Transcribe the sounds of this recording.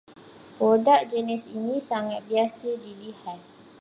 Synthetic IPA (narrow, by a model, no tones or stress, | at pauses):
pɾodak̚d͡ʒənɛsinĩsaŋat̪̚biasədilihat̪̚